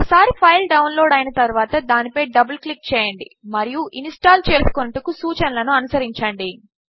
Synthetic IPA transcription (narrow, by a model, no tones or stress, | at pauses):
ɔkɐsaːɾipʰɐjlɖɐwnloːɽɐjɐnɐt̪ɐɾuʋaːt̪ɐd̪aːnipɐjɖɐbɐlklik̚t͡ʃɛːjɐɳɖḭmɐɾijuʔinsʈaːlt͡ʃe̞ːsu̥kunɐʈɐkusuːt͡ʃɐnɐlɐnuɐnusɐɾiɲt͡ʃɐɳɖi